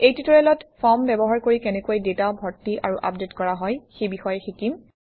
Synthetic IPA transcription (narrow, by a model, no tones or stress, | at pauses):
ejtitɔɹɛlɔtpʰɔmbɛbɔɦaɹkoɹikɛnɛkuojdetaobʱɔɹtːiʔaɹuʔapdetkɔɹaɦɔjxejbixɔjɛxikim